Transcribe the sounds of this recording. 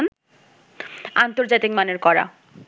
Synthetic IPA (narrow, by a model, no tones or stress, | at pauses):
n | ant̪oɾd͡ʑat̪ik̚maneɾkɔɾa̰